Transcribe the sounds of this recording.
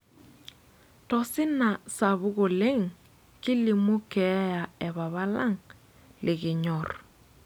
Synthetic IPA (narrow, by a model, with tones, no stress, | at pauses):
tɔ˨sɪ˦na˨sa˨βu˦ɣo˨le˦ŋ | kɪ˦li˨mu˦kɛ˨˦ja˨ɛ˨βa˨βa˦la˦ŋ | lɪ˨ɣɪ˨ɲɔ˨ɾ